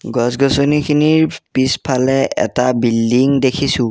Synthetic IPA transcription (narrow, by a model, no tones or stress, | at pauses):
ɡɔsɡɔsɔnikʰiniɹpispʰalɛɛ̰tabildiŋdekʰisʊ̃